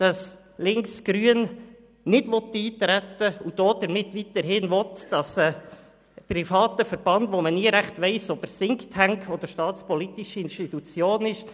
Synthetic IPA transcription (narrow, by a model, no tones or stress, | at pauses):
d̥ɑs | lɪŋksɡ̥ɾyən | nɪdʋɔt̪ːiːt̪ɾætːəud̥oːd̥̪əɾmɪt̪ːʋit̪əɾɦɪnvɔt̪d̥ɑsə | prifɑːt̪əfəɾb̥ɑndʋoməniəɾæχt̪ʋɛɪsɔbəɾsɪŋkthæŋkʰɔd̥̪əɾʃtɑːt͡spɔlit̪iʃiɪnʃtit̪ut͡sjoːnɪʃ